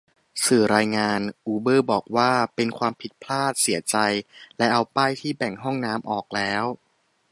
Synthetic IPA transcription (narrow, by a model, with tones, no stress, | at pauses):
sɯː˨˩ɾaː˧jŋaː˧nʔuː˧bɤː˥˩bɔː˨˩k̚waː˥˩pe˧nkʰwaː˧mpʰi˨˩t̪̚pʰlaː˥˩t̪̚si˩˦ɐt͡ɕa˧jlɛ˦˥ʔa˧wpaː˥˩jt̪ʰiː˥˩bɛ˨˩ŋɦɔ˥˩ŋnaː˦˥mʔɔː˨˩k̚lɛː˦˥w